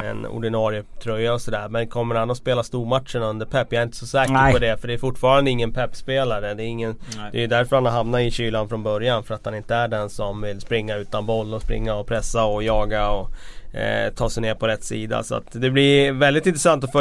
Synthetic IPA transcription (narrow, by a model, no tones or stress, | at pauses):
ɛ̰nʊ̰ɖɪnɑːɾɪət̪ʰɾœjːaɔsɔd̪æ̰ːɾmɛnkʰɔmːəɾhanɔspeːlast̪uːɾmat̪ʂəɳɵnd̪əɾpʰɛpːjaɾɪnt̪ə̥sɔsɛːkəɔd̪ɛfœɖɛːɾfʊʈːfɑːɾand̪əɪŋːənpʰɛpːspeːlaɾəd̪ɛɾɪŋːənd̪ɛjɵd̪æɾfœɾhanɔɦamnaɪɕyːlanfɾɔnbœɾjanfœɾat̪hanɪnt̪əæɖɛnsɔmvɪlspɾɪŋːaʉ̟ːt̪anbɔlːɔspɾɪ̰ŋːaɔpʰɾɛsːaɔjɑːɡaɔ | t̪ʰɑːsɛjneːɾpʰɔɾɛt̪ːsiːd̪a̰sɔa̰t̪d̪ɛblɪvɛld̪ɪt̪ɪnt̪ɾɛsant̪ɔfœ